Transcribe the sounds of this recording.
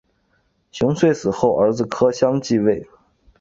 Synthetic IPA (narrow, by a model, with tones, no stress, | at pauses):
ɕjʊ˧˥ŋswe˥˧ɪsɹ̩˨˩xo˥˩ʊʔə˞˧˥d͡zɹ̩˧kʰɤ˥ɕjɑ˥ŋt͡ɕi˥˧we˥˩ɪ